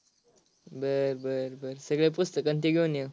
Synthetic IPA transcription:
bəɾbəɾbəɾsəɡɭep̬ust̪əkːənt̪iɡenjə

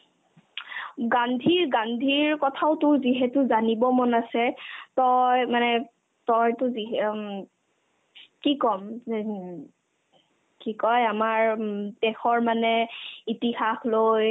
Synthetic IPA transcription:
ɡandʱiɹɡandʱiɹkɔtʰaʊtʊziɦɛtʊzanibɔmɔnasɛtɔjmanɛ | tɔjtʊziɦ | kikɔm | kikɔjamaɹdɛxɔɹmanɛitihaxloj

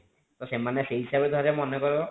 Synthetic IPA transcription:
t̪ɔʃemaneseɦiʃabed̪ɔaɾemɔnekɔɾɔ

